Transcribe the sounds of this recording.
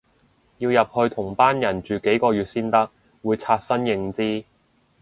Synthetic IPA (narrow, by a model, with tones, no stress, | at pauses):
jiː˧wjɐ˨p̚hɵ˧ɥt̪ʰʊ˨˩ŋpaː˥njɐ˨˩nt͡ʃyː˨ke˨˥jkɔː˧jyː˨t̚siː˥nt̪ɐ˥k̚ | wuː˨˧jt͡sʰaː˧t̚sɐ˥njɪ˧ŋt͡siː˥